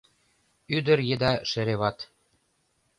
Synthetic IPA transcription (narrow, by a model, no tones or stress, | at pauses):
yd̪ə̆ɾjed̪ɑʃɘ̆ɾeβɑt̪